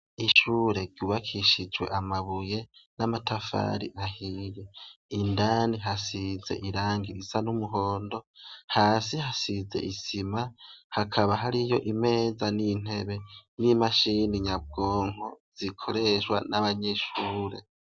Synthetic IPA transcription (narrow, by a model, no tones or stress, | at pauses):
iʃuːɾe̞ɾɟuβakʰiʃid͡ʒwe̞̰ʔamaβuje̞namatʰafa̰ɾḭʔahijeindaːniɦasize̞̰ʔiɾaːŋɡiɾisanumuɦo̞ːndo̞haːsihasize̞̰ʔisimahakʰaβaɦaɾijo̞ʔime̞ːzanin̥e̞βe̞nimaʃiniɲab̚ɡo̞ːŋ̥oz̥ikʰo̞ɾe̞ʃwa̰naβaɲeʃuːɾe̞̰